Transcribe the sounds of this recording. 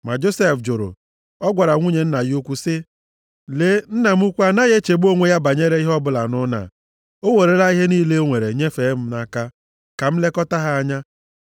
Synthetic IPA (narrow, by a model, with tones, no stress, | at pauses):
ma˨d͡ʒo˦se˦fd͡ʒʊ˨ɾʊ̰˨ | ɔ˦ɡʷa˨ɾa˨ŋʷu˦ɲe˨n̩˦na˨ju˦kʷu˦sɪ˦ | le˦n̩˦na˨m̩˦u˦kʷu˦a˦na˦ɣe˦t͡ʃe˨bo˦ŋʷe˨ja˦ba˨ɲe˦ɾe˦i˦ɦɔ˦bʊ˦la̰˨nʊ˦na̰˨ | o˦wo˨ɾe˨la˦i˦ɦe˦niː˦le˦o˦ŋʷe˨ɾe˨ɲe˦fe˨˦m̩˦na˦ka˦ | ka˨m̩˦le˦kɔ˦ta˦ɦa˦a˦ɲa˦